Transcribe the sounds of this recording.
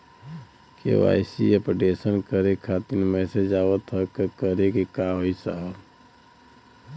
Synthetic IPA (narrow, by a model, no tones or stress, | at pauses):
kḛʋa̰ɪsiəpɾʈesənkəɾekʰat̪inmɛsed͡ʒaːʋət̪ɦəkəkəɾekikaɦoisaɦəb